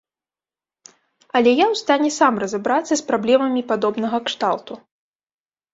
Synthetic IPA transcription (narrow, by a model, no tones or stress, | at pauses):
ɐlʲɛjawst̪anʲɛsamrɐzabɾat̪sːɐspɾablʲɛmɐmʲipad̪ɔbnɐɣɐkʂt̪alˠt̪u